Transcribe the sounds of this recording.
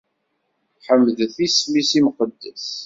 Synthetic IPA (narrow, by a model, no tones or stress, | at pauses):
ħəmːðθismisimqəd̪ːæs